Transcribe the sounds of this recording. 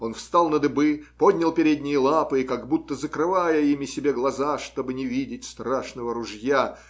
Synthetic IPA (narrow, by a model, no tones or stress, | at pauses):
o̞nfst̪alˠnəd̪ɨbɨpo̞d̪ʲnʲɪlˠpʲɪɾʲedʲnʲɪjəlˠapɨɪkaɡbut̪ːəzəkɾɨvajəimʲɪsʲɪbʲeɡlˠɐzaʂt̪o̞bɨnʲɪvʲidʲɪtʲst̪raʂnəvəɾʊʐja